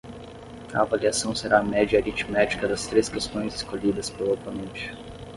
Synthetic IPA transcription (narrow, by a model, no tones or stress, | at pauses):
ɐavaliasɐ̃w̃seɾamɛd͡ʒɐeɾit͡ʃmat͡ʃi̥kɐd̪ɐst̪ɾeskest̪õj̃zeskoʎid̪ɐspelapɐmẽnt͡ʃɪ̥